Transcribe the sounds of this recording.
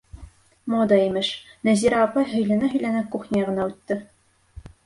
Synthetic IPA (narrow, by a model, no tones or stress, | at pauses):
mod̪ɑimɘʃnæziɾæːpɑjɦɵ̆jlɘ̆nɘɦɵ̆jlænækuχnʲijɑʁɤ̆nɑʉt̪ːɘ